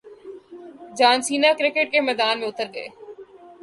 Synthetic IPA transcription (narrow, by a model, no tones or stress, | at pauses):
d͡ʒaːnsiːnakɾɪkeʈ̚kemɛːd̪aːnmẽʊt̪əɾɡɐḛː